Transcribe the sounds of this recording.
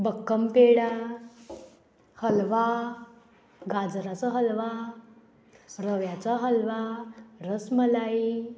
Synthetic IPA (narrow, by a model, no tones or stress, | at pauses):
bəkːəmpeɽa | həlʋa | ɡad͡zɾat͡səɦəlʋa | ɾəʋjat͡saɦəlʋaɾəsməlai